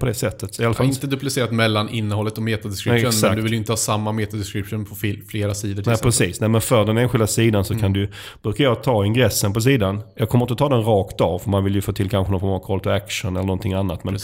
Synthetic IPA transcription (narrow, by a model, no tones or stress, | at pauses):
pʰɔd̪ɛsɛt̪ʰːət̪ɪalafaɪnt̪əd̪ɵplɪseːɾat̪mɛlːanɪnːəhɔlːət̪ɔmeːt̪ad̪ɛskɾɪʉnsand̪ɵvɪljʏɪnt̪əhɑːsamːameːt̪ad̪ɛskɾɪpʂʊːnpʰɔffleːɾasiːd̪əʈʰnɛpʰɾɛsiːsnɛmɛnfœɖ̪ɛneːnɧɪld̪asiːd̪ansɔkʰand̪ɵj | b̥ɾʉkaɾjɑːt̪ʰɑːɪnɡɾɛsːənpɔs̬iːd̪anjɑːɡkʰɔməɾɪnt̪ət̪ʰɑːd̪ɛnɾɑːkt̪ɑvfœɾmanvɪljɵfoːt̪ʰɪlkʰanɧənɔnfɔmavkʰɔlt̪ɔækʂənɛləɾɳɔnt̪ʰɪŋːanːat̪mɛn